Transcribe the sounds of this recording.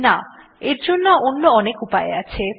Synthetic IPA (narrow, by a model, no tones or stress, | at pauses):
na | eɾd͡ʑonːaʔonːoɔnekupaḛat͡ɕʰe